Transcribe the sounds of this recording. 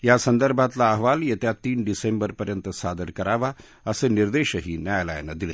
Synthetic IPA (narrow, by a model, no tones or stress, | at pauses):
jasənd̪əɾbʱat̪laːɦʋaljet̪jat̪iːnɖisembəɾpəɾjənt̪əsad̪əɾkəɾaʋa | əseniɾd̪eɕəɦiːnjajla̰jna̰d̪ile